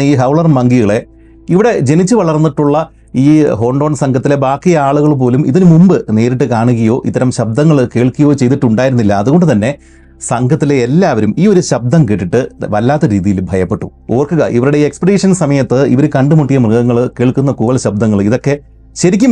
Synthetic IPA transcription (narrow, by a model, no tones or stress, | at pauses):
iːɦɐwɭɐrmɐŋɡiɣɐɭe̞ | iʋiɽe̞d͡ʑe̞nit͡ɕːɨʋɐɭɐrnːiʈːuɭːɐ | iːɦo̞ːɳɖo̞ːnsɐŋɡʰʱɐt̪ːile̞baːkːijɐaːɭuɣɐɭp̬o̞ːlumiðinɨmumbɨne̞ːɾiʈːɨkaːɳuɣɐjo̞ːʔḭt̪ːɐɾɐmɕɐb̚d̪ɐŋːɐɭkeːɭkːuɣɐjo̞ːt͡ɕe̞jt̪iʈːuɳɖaːjiɾunːilːɐːðuɣo̞ɳɖɨt̪ɐnːe̞ | sɐŋɡʱɐt̪ːile̞ːlːaːʋɐɾumiːo̞ɾuɕɐb̚d̪ɐmkeːʈːiʈːɨʋɐlːaːt̪ːɐɾiːðijilbʱɐjɐpːe̞ʈːuo̞ːrkuɣɐʔiʋɐɾuɽeiːekspidiːʂɐnsɐmɐjɐt̪ːɨḭʋɐɾukɐɳɖɨmuʈːijɐmrɨɣɐŋːɐɭkeːɭkunːɐkuːʋɐlɕɐb̚d̪ɐŋːɐɭiðo̞kːe̞ | ɕɐɾikʲːum